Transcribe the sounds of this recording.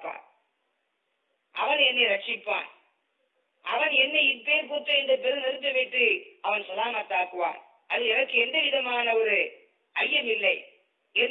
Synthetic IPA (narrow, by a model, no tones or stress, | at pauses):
pːa̰ː | ʔɐʋɐnɛnːɐɾɐʈ̚t͡ʃːɪpːa̰ːn | ʔɐʋɐnɛnːɐɪpeːɾkuːt̪ːɯɛndɐpɛɾɯnɛɾɯt̪ːɯʋɐɪʈːɯɐʋɐnsɐlaːmɐt̪ːaːkɯʋa̰ːn | ʔɐðɯɛnɐkːɯɛnd̪ɐʋɪðɐmaːnɐɔɾɯ | ɐjːɐmɪlːɐɪ | ɛn